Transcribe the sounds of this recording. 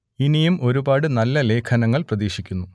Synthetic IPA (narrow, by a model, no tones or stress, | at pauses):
inijumʔo̞ɾubaːɽɨnɐlːɐle̞ːkʰɐnɐŋːɐɭprɐðiːɕikʲːunːu